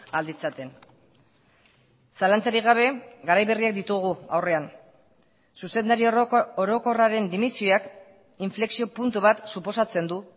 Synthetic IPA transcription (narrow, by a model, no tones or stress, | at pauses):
ald̪it͡sat̪e̞n | salant͡saɾiɣ̞aβ̞e̞ɡaɾajβe̞riak̚d̪it̪uɣ̞ua̰wre̞an | suse̞nd̪aɾioɾo̞ko̞raɾe̞nd̪imisioak | iɱfle̞ksio̞punt̪uβat̪supo̞sat͡se̞nd̪u